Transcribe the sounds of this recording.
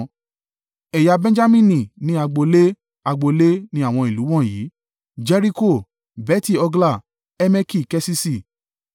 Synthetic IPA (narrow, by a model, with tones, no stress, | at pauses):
ɛ˨ja˧bɛ̃˦d͡ʒa˦mĩ˦˨nĩ˨nĩ˦a˧ɡ͡bo˧le˦ | a˧ɡ͡bo˧le˦nĩ˦a˦˨w̃ɔ̃˧i˨lu˨˦w̃ɔ̃˦˨jiː˨˦ | d͡ʒɛ˦ɾi˦ko˦˨ | bɛ˦ti˦˨ɔ˧ɡla˦˨ | ɛ˦mɛ˦ki˦˨kɛ˦si˦si˦˨